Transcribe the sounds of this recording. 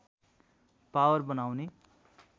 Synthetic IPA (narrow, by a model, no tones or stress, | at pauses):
pawʌrbʌnawne